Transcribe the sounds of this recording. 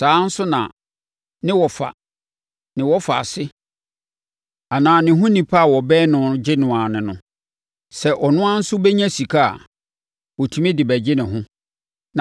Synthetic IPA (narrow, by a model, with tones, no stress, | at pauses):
saː˨˦n̩˦sʊ˦nã̰˨ | nɪ̃˦wɔ˨fa̰˨ | nɪ̃˨wɔ˦fa̰˨sɪ˦ | a˨nãː˨nɪ̃˨ɦʊ̃˦nĩ˨pʰa˦a˨wɔ˨bɛː˦nʊ̃˨d͡ʑɪ˦nʊ̃˨ã˨nɪ̃˨nʊ̃˦ | sɛ˦ʔɔ˨nʊ̃˦ã˦n̩˦sʊ˦bɛ˦ɲã˦si˨kʰa˦a̰˨ | wɔ˨tʰu˨mɪ̃˦dɪ˨bæ˨d͡ʑɪ˦nɪ̃˨ɦʊ̃˦ | nã˨